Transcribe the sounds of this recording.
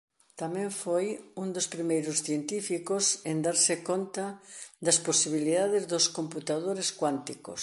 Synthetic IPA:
t̪amɛ̃ɱfojund̪ospɾimejɾʊsθjent̪ifikosend̪aɾsɪkont̪ɐd̪ɐsposiβiliðaðɪzðʊskomput̪aðoɾeskwant̪iko̰s

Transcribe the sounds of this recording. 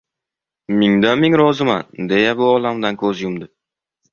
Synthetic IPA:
mɪŋd̪amɪŋɾɒzɪmand̪e̞jabʊɒlamd̪ankʰɵzjʊmd̪ɪ

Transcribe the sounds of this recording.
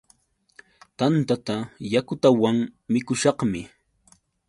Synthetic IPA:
t̪ant̪at̪ajakʊt̪awaŋmɪkʊʃɑqmɪ

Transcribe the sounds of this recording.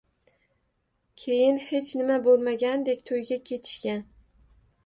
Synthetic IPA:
kʲʰe̞jɪnhe̞t͡ʃʰnɪmabolˠmaɡʲand̪e̞kʲt̪ʰojɡʲakʲʰe̞t̪ʰɪ̥ʃkʲan

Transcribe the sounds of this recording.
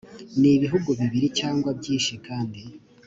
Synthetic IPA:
niβiɦuɡuβiβiɾicaːŋɡwabɟiːnʃikaːndi

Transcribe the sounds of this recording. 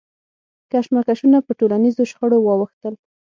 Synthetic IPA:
kaʃmakaʃunapəʈolanizoʃxəɽowɑwəxt̪əl

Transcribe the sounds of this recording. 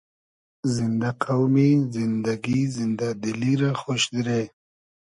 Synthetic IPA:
zind̪aqawmizind̪aɡizind̪ad̪iliɾaxoʃd̪iɾe

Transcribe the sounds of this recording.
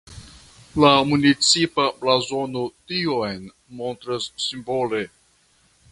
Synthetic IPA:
lamunit͡sipaplazo̞notiojn | mo̞nt̪ɾasːimbo̞le̞

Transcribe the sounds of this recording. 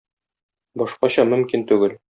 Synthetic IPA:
bɒʃqɑɕɒmɵ̆mkint̪ʉɡɘl

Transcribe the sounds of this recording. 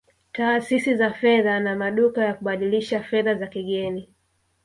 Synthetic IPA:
taːsisizafɛðanamaɗukajakuɓaɗiliʃafɛðazakiɠɛni

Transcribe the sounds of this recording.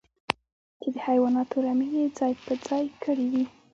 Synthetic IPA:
t͡ʃed̪əhajwɑnɑt̪oɾamined͡zɑjpəd͡zɑjkəɽid̪i

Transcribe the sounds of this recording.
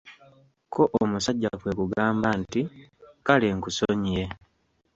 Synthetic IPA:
kʰo̞ʔomusaɟːafwe̞kuɡaːmbantikaleŋkusoɲije

